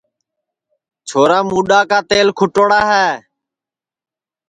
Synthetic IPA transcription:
t͡ʃʰoːɾaːmuːɗaːkaːt̪eːlkʰʊʈoːɽaːɦɛː

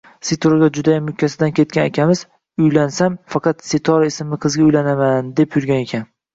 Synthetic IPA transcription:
set̪ʰoɾɡʲad͡ʒʊd̪ajamːʊkʲʰːasɪd̪ankʲʰe̞t̪̚kʲanekʲʰamɪz̥ | ʊjlansamfɑqʰɑt̪set̪ʰɒɾɪsɪmɪqʰɨzɡʲaʊjlanamand̪epʰjʊɾɡʲane̞kʲʰan

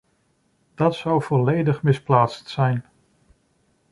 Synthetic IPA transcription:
d̥ɑtsɔwv̥ɔlejdəχmɪsplaːtstsɛjn

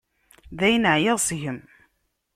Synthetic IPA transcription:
ðæjnəʕjəðˤsʝəm

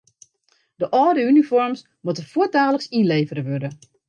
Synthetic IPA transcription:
d̥əʔɔːdəynifɔrms | mutəfuətaːləksinleːvəɾəʋødə

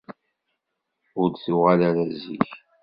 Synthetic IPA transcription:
ʊɾθʊʁalaɾæzḭç

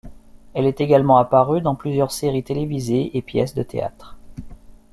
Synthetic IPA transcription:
ɛlɛt̪eɡalmɑ̃apaʁyd̪ɑ̃plyzjœʁseʁit̪elevizeepjɛ̰sd̪ət̪ʰḛa̰t̪χ

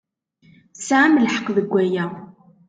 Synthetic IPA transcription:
sæʕaməlħə̥qːðəɡʷːæjæ

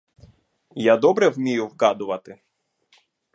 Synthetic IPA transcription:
jad̪ɔbɾɛwmʲijʊwkɑd̪ʊʋɐt̪ɪ

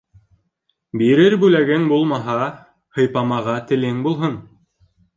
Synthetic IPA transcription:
biɾɘɾbʉlæɡɘŋbulˠmɑɦɑ | hɤ̆jpɑmɑʁɑt̪ɘ̆lɘŋbulˠɦɤn

